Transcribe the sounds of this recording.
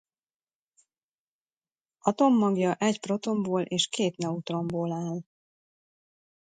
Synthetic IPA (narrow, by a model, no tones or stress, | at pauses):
ɒt̪o̞mːɒɡjɒʔɛcpro̞t̪o̞mboːlʔeːʃkeːt̪nɛut̪ro̞mboːlaːl